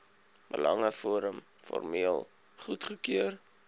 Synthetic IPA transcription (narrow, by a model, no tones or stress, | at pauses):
b̥ə̰lɐŋəfuəɾəm | fɔ̰rmiəlˠ | χutχəkyər